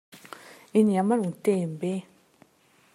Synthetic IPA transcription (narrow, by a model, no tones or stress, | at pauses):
injamaɹuŋt̪ejinpɛː